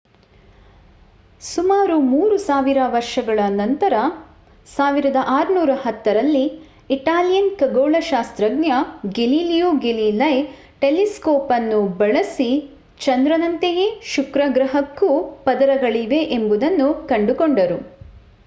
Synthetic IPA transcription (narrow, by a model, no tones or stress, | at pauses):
sumaːɾumuːɾusaːʋiɾɐʋɐɾʃɐɡɐɭɐnɐnt̪ɐɾɐ | saːʋiɾɐd̪ɐʔaːɾunuːɾɐɦɐt̪ːɐɾɐlːi | iʈaːlijɐnkɐɡoːɭɐʃaːst̪ɾɐɡnjɐɡeliːljuːɡeliːlɐj | ʈeliskɔːpɐnːubɐɭɐsi | t͡ʃɐnd̪ɾɐnɐnt̪eɡeʃukɾɐɡɾɐɦɐkːupɐd̪ɐɾɐɡɐɭiʋe̞ʔembud̪ɐnːukɐɳɖukoɳɖɐɾu